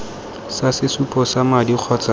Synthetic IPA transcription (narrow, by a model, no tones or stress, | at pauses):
sasɪsupʼɔsamadiq͡χʰɔt͡sa